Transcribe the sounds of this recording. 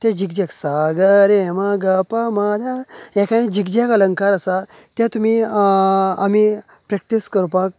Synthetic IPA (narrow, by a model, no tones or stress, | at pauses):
t̪ɛ̃d͡ʑiɡd͡ʑaksaɡəɾemaɡapamad̪ajɛkãĩd͡ʑikd͡ʑakələŋkaɾasat̪jãt̪um̤i | a̰mi | pɾɛk̚ʈiskəɾpak̚